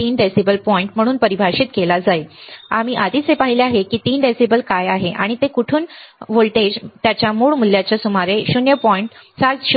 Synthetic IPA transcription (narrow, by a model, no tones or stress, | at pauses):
iːnɖesibəlpɔiɳʈm̤əɽ̃uːnpəɾibʱaɕiːt̪kelad͡zaea̰m̤iːʔad̪ʱiːt͡sɦepaɦileaɦekiːt̪iːnɖesibəlkajaɦeʔa̰ɽ̃it̪ekuʈʰuːnʋoɭʈed͡ʑt̪jat͡ɕjamuːɭmulːjat͡ɕjasumaɾeɕunjəpɔiɳʈsat͡sɕu